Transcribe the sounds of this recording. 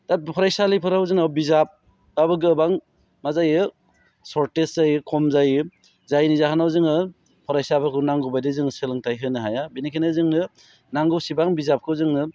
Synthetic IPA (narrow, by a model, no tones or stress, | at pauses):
d̥apʰɔɾajsalijpʰɯɾawzɯŋawbizap̚ː | abɯɡɯbaŋ | mazajɯ | sɔɾteszajɯkʰɔmzajɯ | zajnizaɦanawzɯŋɯ | pʰɔɾajsapʰɯkɯnaŋɡubajdezɯŋsɯlɯŋtajɦɯnɯɦajabinikʰenɯzɯŋnɯ | naŋɡusibaŋbizap̚kʰɯwzɯŋnɯ